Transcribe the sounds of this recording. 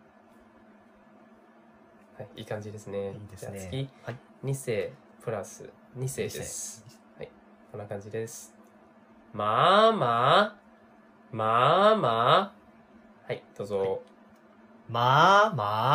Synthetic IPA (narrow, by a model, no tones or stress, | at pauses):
haiiːkãɲ̟d͡ʑid̪e̞sɨne̞at͡sɨkʲi | ɲ̟ise̞ː | pɯ̟ɾasɨ̰ | ɲ̟ise̞ːḛs | hai | konːakãɲ̟d͡ʑid̪esɨ̥ | mama | mama | haid̪̥o̞ːzo | maa